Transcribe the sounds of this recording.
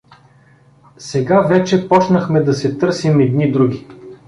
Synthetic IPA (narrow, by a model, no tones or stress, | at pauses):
sɛɡavɛt͡ʃɛpɔt͡ʃnɐxmɛd̪ɐsɛt̪ɤɾsimɛd̪nid̪ɾuɡʲi